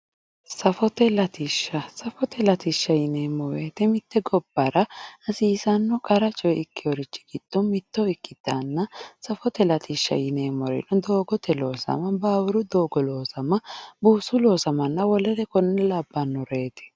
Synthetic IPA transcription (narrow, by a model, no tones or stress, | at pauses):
sɐfɔt̪ɛlɐt̪iʃːɐsɐfɔt̪ɛlɐt̪iʃːɐjɪneːmɔweːt̪ɛmɪt̪ːɛɡɔb̥ːɐɾɐɐsiːsɐnːɔkʼɐɾɐt͡ʃʼɔjɛɪkːɪjɔɾɪt͡ʃːɪ̥ɡɪd̪̥ːɔmɪt̪ːɔɪkːɪt̪ːaːnːɐsɐfɔt̪ɛlɐt̪iːʃːɐ̰jɪneːmɔɾɛ̰nɔd̪o̞ːɡɔt̪ʰɛlo̞ːsɐ̰mɐbaːwɪɾʊd̪oːɡɔlo̞ːsɐmɐbuːsʊlo̞ːsɐmɐnːɐwɔlɛt̪ɛkɔnːɛlabːɐnːɔɾe̞ːt̪ɛ̥